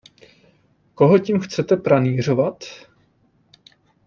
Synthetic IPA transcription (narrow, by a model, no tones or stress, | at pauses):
ko̞ɦocimxt͡sɛt̪ɛpɾaniːr̝o̞vat̪